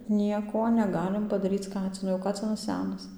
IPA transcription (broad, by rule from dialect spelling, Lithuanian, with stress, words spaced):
ˈnʲiɛkoː nʲɛˈɡɑːlʲɪm pɐdɐˈrʲiːt͡s ˈkɑːt͡sʲɪnʊ oː ˈkɑːt͡sʲɪnɐs ˈsʲæːnɐs